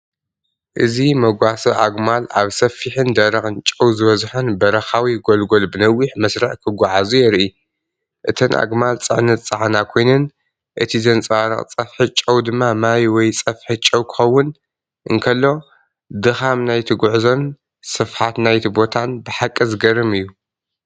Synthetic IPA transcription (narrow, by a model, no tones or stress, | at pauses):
ʔɨzimɐɡʷasɐʔaɡmalaβsɐfiħɨnd̪ɐɾɐxɨnt͡ʃʼɐwzɨβɐzħonbɐɾɐxawiɡolɡo̞lbɨnɐwːiħmɐsɾɐħkʰɨɡʷaʕazujɛɾʔi | ʔɨt̪ʰɨnʔa̰ɡmalt͡sʼɨ̰ʕnɐt̪t͡sʼɐʕnakʰo̞jnɐn | ʔɨt̪ʰizɐnt͡sʼaɾɐ̰χʼt͡sʼɐfħɨt͡ʃʼɐwd̪ɨmːamajwɔjt͡sʼɐfħɨt͡ʃʼːɐwkʰɨ̥xɐwːʊn | ʔɨŋkʰɐlːo̞ | d̪ɨxamnajt̪ʰɨɡʷʊʕzon | sɨfħat̪najt̪ʰibo̞t̪ʰanbɨħakʼːɨzɨɡɐɾɨmɨjːu